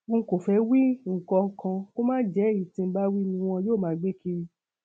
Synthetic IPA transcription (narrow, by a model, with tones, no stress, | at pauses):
ko˨fɛ˧˦wi˦ŋ̩˨kɔ˧ŋ̩˦˧kã˧ko˦mãː˦d͡ʒɛ˨˦˨i˨tĩ˧m̩˦ba˦wi˦nĩ˧w̃ɔ̃˧joː˦˨mãː˨˦ɡ͡be˦ki˦ɾi˧